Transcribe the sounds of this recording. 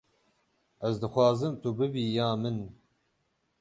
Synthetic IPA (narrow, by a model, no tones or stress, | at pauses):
ɛzd̪ɨxʷwɑːzɨmt̪ubɨbiːjaːmɨn